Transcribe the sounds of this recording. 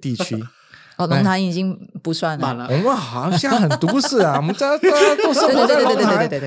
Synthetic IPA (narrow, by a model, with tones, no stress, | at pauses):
t̪i˥˩t͡ɕʰy˥ | ɔ˥˨˩lʊ˧˥ŋt̪ʰa˧˥ni˨˩t͡ɕi˦ŋpu˧˥swa˥˩nlə˨˧wɔ˨˩mə˧˦nxɑ˨˦˥ɕja˥˩xə˨˩nt̪u˧˥sɹ̩˥˩a˨˩wɔ˨˩mə˦t͡sa˥˧˥o˥˧˥a˥˧˩lʰ